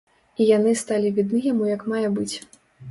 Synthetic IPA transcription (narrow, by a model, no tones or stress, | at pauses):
ijan̪ɨst̪alʲivʲid̪nɨjamujɐkmajɛbɨt͡sʲ